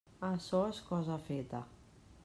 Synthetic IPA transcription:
asɔeskɔzafet̪ɐ

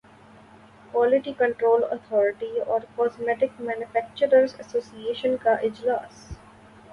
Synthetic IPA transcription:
kwɔːlɪʈikə̃ɳʈɾoːlə̰t̪ʰɔːɾɪʈiɔːɾkɔːzmɛʈɪkmæ̃ːnjʊfæk̚t͡ʃəɾəɾsəsoːsieːʃə̃nkaʔɪd͡ʒlaːs

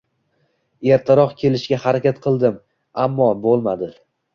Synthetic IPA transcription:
e̞ɾt̪ʰɪɾɒqkʲʰe̞lɪʃɡʲahaɾakʲat̪qʰɨlˠd̪ɪm | amːɒbolˠmad̪ɪ

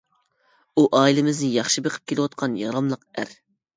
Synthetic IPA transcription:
uʔɑːilɪmɪznɪjɑχʃɨbeqʰə̥p̚kʲelɨwɑt̪̚qʰɑnjɑɾɑmlˠəqæɾ

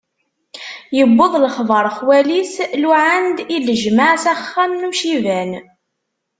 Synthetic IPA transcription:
jəbːəðˤləχðˤəɾˤχwælisluʕand̪iləʒmaʕsæχːænːuʃivæn

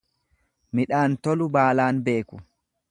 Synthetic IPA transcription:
mɪᶑaːnt̪ɔlʊbaːlaːnbe̞ːkʊ

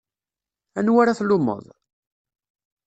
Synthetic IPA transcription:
ænwaɾaθlʊmːə̰ðˤ

